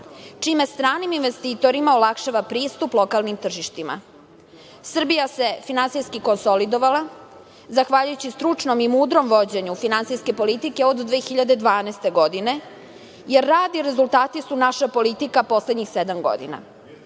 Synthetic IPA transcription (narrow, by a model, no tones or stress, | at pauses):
t͡ʂime̞st̪ɾaːniminʋe̞st̪iːt̪o̞ɾimaolakʃaʋapɾiːst̪uplˠo̞kalnimt̪r̩ʒiʃt̪ima̰ | sr̩bijase̞finansijskikonsolid̪oʋala | zaxʋaːʎujut͡ɕist̪ɾut͡ʂno̞mimuːd̪ɾo̞mʋo̞d͡ʑe̞ɲufinansijske̞po̞lit̪ike̞od̪ːʋeːxiʎad̪ed̪ʋaːnɛst̪e̞ɡo̞d̪ine̞ | jeɾːaːd̪iɾe̞zult̪aːt̪isunaʃapo̞lit̪ikapo̞sled̪ɲixsed̪amɡo̞̰d̪ḭna̰